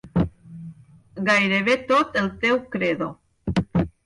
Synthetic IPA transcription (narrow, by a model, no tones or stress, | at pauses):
ɡajɾeβ̞et̪ot̪elt̪ewkɾeðo